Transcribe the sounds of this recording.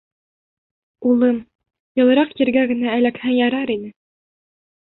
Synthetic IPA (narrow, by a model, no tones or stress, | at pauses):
ulˠɤm | jɤ̆lˠɤ̆ɾɑqjiɾɡæɡɘ̆næælækhæjɑɾɑɾinɘ